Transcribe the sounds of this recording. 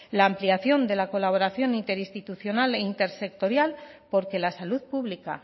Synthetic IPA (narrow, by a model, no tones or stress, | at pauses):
laːmpliaθjo̞nd̪e̞lako̞laβ̞o̞ɾaθjo̞nint̪e̞ɾist̪it̪uθjo̞naleint̪e̞ɾse̞k̚t̪o̞ɾjalpo̞ɾke̞lasaluðpuβlika̰